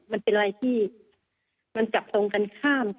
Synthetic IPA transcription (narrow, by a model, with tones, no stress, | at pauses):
ma˧npe˧nʔa˧ɾa˧jt̪ʰiː˥˩ | ma˧nt͡ɕa˨˩p̚t̪o˧ŋka˧nkʰaː˥˩m